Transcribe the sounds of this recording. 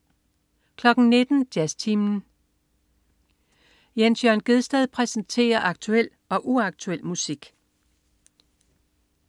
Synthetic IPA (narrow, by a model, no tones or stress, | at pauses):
kʰlɒ̽ɡ̥n̩ne̝d̥n̩d̥jæst͡sʰimn̩ | jensjœɐnɡ̥e̝ð̞ˠsd̥ɛð̞ˠpʰʁɛsn̩t͡sʰe̝̰ːɐʔɑ̈ɡ̥̚t͡sʰuel̰ | ɒ̽ʔuɑ̈ɡ̥̚t͡sʰuel̰musiɡ̥